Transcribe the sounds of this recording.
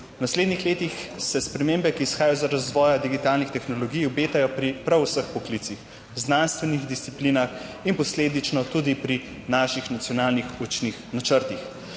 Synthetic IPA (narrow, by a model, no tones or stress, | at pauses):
nasleːd̪nixleːt̪ixsɛspɾɛmeːmbɛkiːsxaːjajɔzaɾazʋɔːjad̪iɡit̪aːlnixt̪ɛxnɔlɔɡijɔbeːt̪ajɔpɾipɾawsəxpɔklit̪six | znanst̪ʋɛniɣd̪ist̪sipliːnaxinpɔsleːd̪it͡ʃnɔt̪ud̪ipɾi | naʃixnat̪sijɔnaːlnixut͡ʃnixnat͡ʃəɾt̪ix